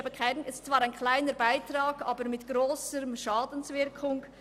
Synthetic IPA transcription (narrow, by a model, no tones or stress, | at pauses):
bəkʰaɪnɪstt͡sv̥ɑːɾaɪnkʰlaɪnəɾbaɪtrɑːɡɑːbəɾmɪtɡ̥ɾoːsəʃɑːdən̩svɪɾkʰʊŋ